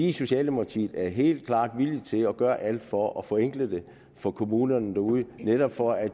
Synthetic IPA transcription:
iso̝ɕɛ̰ːld̥emoɑt͡sʰḭːd̥æɐɦe̝̰ːld̥̚kʰlɑ̈ːd̥ʋilid̥t͡sʰe̝lɒ̽ɡ̥ɶːɐʔæl̰d̥fɒ̽ʔɒ̽fɒ̽eŋɡ̥ləd̥e̝ | fɒ̽kʰo̝muːnɐnd̥æ̈uːð̞ˠəneɾ̥ɒb̥fɒ̽æ̥

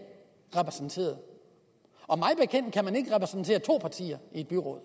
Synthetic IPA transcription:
ʁɛpʰʁɛsn̩t͡sʰe̝̰ːɐð̩ˠ | ɒ̽mɑ̈ɪb̥ekʰen̰d̥̚kʰæmæne̝ɡ̥əʁɛpʰʁɛsn̩t͡sʰe̝̰ːɐt͡sʰo̝̰ːpʰɑ̈t͡sʰḭːɐie̝d̥̚b̥yʁɔ̽ðˠ

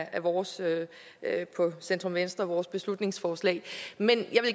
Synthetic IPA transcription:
ʔæʋɒːsø | pʰɒ̽send̥ʁɔ̽mʋensd̥ʁɐʋɒːsb̥e̝slud̥ne̝ŋsfɒːslɛ̰ɪmenjɑ̈ʋe̝l

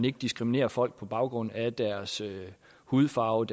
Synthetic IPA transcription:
ne̝ɡ̥əd̥isɡ̥ʁimine̝̰ːɐfɒ̽l̰ɡ̥̚pʰɒ̽b̥ɑ̈ʊɡ̥ʁɔ̽n̰æd̥æɐsø | huð̩ˠfɑ̈ʊd

